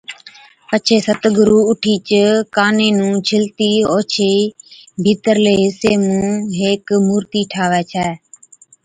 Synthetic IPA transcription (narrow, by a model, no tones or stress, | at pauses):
pət͡ʃʰeːsət̪ɡʊɾuːʊʈʰiːt͡ʃəkaːnẽːnũːt͡ʃʰɪlt̪iːoːt͡ʃʰeːbʱiːt̪əɾleːɦɪseːmũːɦeːkmuːɾt̪iːʈʰaːʋɛːt͡ʃʰɛː